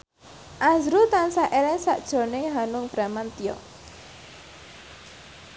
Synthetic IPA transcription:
ʔazɾut̪ansaʔelɛŋsa̰ʔd̥ʒ̥o̤nɪŋɦanʊŋb̥ɾamant̪ijɔ̰

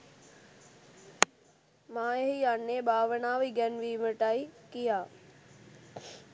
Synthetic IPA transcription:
mãːɦijaːnːeɓaːʋənaːʋiɡɐnʋiːməʈaːikijaː

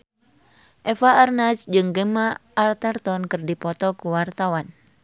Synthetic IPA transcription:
ʔɛfaːrnasd͡ʒɨŋɡemaʔːrt̪art̪ɔnkɨrdipɔt̪ɔkuwart̪awan

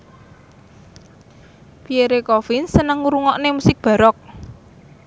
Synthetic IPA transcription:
pieɾekɔfinsənəŋuɾuŋɔʔnemusɪk̚b̥ä̤ɾɔk̚

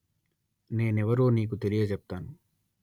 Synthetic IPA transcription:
ne̞ːnɛʋɐɾoːniːkut̪elijɐt͡ʃɛp̚t̪aːnu

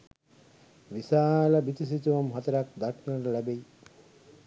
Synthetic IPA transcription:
ʋisaːlɐbit̪is̬it̪uʋɐmɦat̪ɐɾak̚d̪akʰnəɾəlæbej

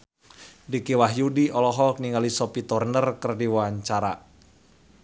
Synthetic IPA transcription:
dikiwaɦjudiʔɔlɔɦɔkniŋalisɔpit̪ɔrnərkərdiwwaɲt͡ʃaɾa̰

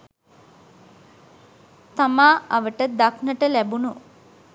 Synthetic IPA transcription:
t̪amaːaʋəʈəd̪aknəʈəlæbunu

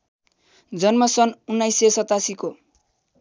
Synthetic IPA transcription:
d͡zʌnmʌsʌnunːajsesʌt̪asiko

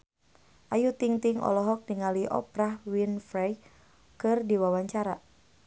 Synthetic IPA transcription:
ʔajut̪iŋt̪iŋʔɔ̰lɔɦɔk̚diŋaliʔɔ̰pɾahwinfɾaj | kɨrdiwawaɲt͡ʃaɾa

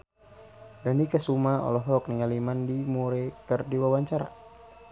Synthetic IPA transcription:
danikəsumaɔ̰lɔɦɔk̚niŋalimandimuɾɛkərdiwawaɲt͡ʃaɾa̰

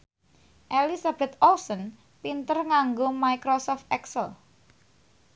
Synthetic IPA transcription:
ʔelisab̥ɛt̪̚ɔlsɔn | pint̪ərŋaŋɡomaikɾosɔft̪̚ɛksəl

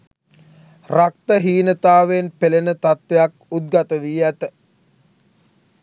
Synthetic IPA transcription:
rakt̪əɦiːnət̪aːʋenpelenət̪at̪ʋejak̚ut̪̚ɡat̪əʋiːæt̪ə

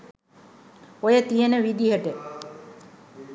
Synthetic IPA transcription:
ojət̪ijenəʋid̪iɦəʈə

